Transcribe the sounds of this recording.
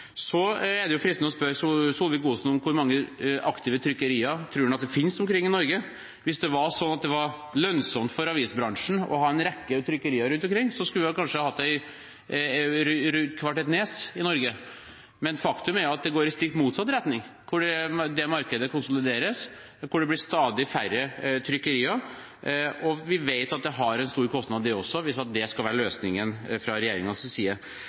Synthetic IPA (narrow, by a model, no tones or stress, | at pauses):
sɔɛd̪ɛjʊfɾɪst̪nɔspœɾssulʋɪkuːsnɔmkʰʊɾmɑŋːəʔɑkt̪ɪʋət̪ʰɾʏkːəɾiːəɾt̪ʰɾuːnɑt̪̚d̪ɛfɪnsɔmkʰɾɪŋːɪnɔɾɡə | ʋɪsd̪ɛʋɑʂɔnːɑt̪̚d̪ɛʋɑɾlœnsɔmt̪fɔɾɑʋiːsbɾɑŋʂɳ̩ɔ̰hɑːɛnɾɛkːət̪ʰɾʏkːəɾiːəɾʉnt̪ɔmkʰɾɪŋːsɔskʉlʋlkʰɑnʂəhɑhɑt̪ːd̪æɪ | ɾɾʉkʰʋɑʈɛːt̪neːsɪnɔɾɡə | mɛnfɑkt̪ʉmæɾjʊɑt̪̚d̪ɛɡoːɾɪst̪ɪk̚t̪muːt̪sɑt̪ːɾɛt̪nɪŋkʰʊɖɛd̪ɛmɑɾkəd̪əkʊnsʊlɪd̪eːɾəs | kʰʊɖɛblɪst̪ɑːd̪ɪfæɾːət̪ʰɾʏkːəɾiːɑ | ɔʋɪʋeɪt̪ɑt̪̚d̪ɛɦɑɾɛnst̪uːɾkʰɔst̪nɑd̪d̪ɛɔsːɔʋɪsɑt̪̚d̪ɛskɑlʋæːɾəløːsnɪŋənfɾɑɾɛjeːɾɪŋɑssiːə